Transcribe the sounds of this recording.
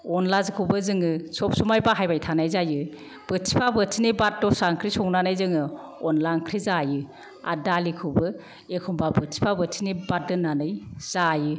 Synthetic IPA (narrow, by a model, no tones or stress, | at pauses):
ɔnlazkʰɯwbɯzɯŋɯsɔp̚sumajbaɦajbajtʰanajzajɯ | b̥ɯtʰipʰabɯtʰinebat̚dɔsaŋkʰɾisɔŋnanɯjzɯŋɯ | ɔnlaŋkʰɾizajɯ | a̰dalikʰɯbɯ | ekʰɔmbabɯtʰi̥pʰabɯtʰinibat̚dɯnanɯjz̥ajɯ